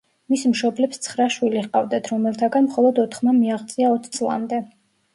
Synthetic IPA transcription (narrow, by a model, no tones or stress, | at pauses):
mismʃɔblɛpst̪sʰχɾaʃwiliʁqʼa̰vd̪at̪ʰɾɔmɛlˠt̪ʰaɡanmχɔlˠɔd̪ɔt̪ʰχmamiaʁt̪sʼiaɔt̪ʰt̪sʼlˠa̰md̪ɛ